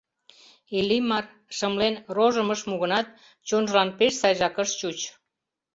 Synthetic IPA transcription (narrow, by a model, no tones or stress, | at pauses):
elimɑr | ʃəmlenroʒəməʃmuɣənɑt̪̚ | t͡ɕonʒəlɑnpeʃsɑjʒɑkəʃt͡ɕut͡ɕ